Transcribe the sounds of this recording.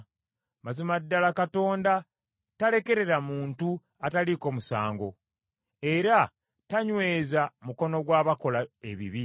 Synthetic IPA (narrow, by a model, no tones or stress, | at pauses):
mazimadːalakato̞ːnda | tale̞ke̞ɾe̞ɾamuːntu | ataliko̞musa̰ːŋɡo̞̰ | e̞ɾa | taɲwe̞ːzamuko̞no̞ɡwaːβako̞laeβḭβi